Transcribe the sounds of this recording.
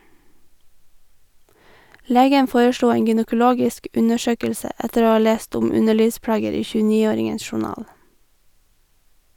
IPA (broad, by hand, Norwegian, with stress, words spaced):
ˈleːɡən ˈfoːɹəˌʃluː ˈeːŋ ɡʏnəkʊˈloːɡɪsk ˈʔʉnəˌʃøːkəlsə ˈɛtəɾ ˈoː ˈɑː ˈleːst ˈʊm ˈʉnəˌɭiːʋˌspɽɑːɡəɾ ˈiː çʉːˈniːoːɾɪŋəns ʃʊˈnɑːl